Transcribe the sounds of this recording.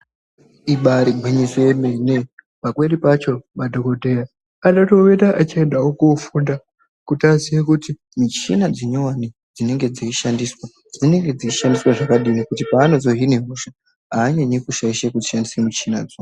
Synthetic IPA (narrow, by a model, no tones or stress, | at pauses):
iɓaɾiɡʱwiɲisoemene | pakwe̞ɾipat͡ʃo̞madʱokodʱeja | anato̞wetaʔat͡ʃaendaokofunda | kutaziekuti | mut͡ʃḭnad͡zeɲowani | d͡zine̞ŋɡe̞d͡ziiʃandiːswa | d͡zine̞ŋɡe̞d͡ziiʃandiswaʐakaɗinikutipaːno̞zo̞ɦineɦuʃa | aːɲaɲikuʃaiʃekutiʃandisemut͡ʃina̰d͡zo